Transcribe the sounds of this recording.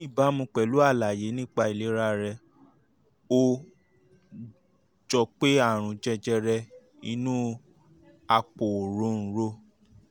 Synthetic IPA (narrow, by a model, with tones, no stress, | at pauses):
i˦˨ba˨˦mũ˧k͡pɛ˨lu˨˦a˦˨la˨je˨˦nĩ˦k͡pa˧i˨le˨˦ɾa˦ɾɛ˧ | o˧ | d͡ʒɔ˧k͡pe˦a˦˨ɾ̃ũ˨˧d͡ʒɛ˧d͡ʒɛ˧ɾɛ˧ | i˧nũ˦ | a˧k͡po˨ɾõ˨˦n̩˨˦ɾo˧